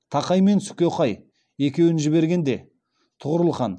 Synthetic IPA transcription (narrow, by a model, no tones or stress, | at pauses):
t̪ʰɑqɑjme̞nsʏ̥kʲoqɑj | e̞kʲe̞wɪnʒɪbe̞ɾɡʲe̞nd̪e̞ | t̪ʰʊʁəɾəlˠχɑn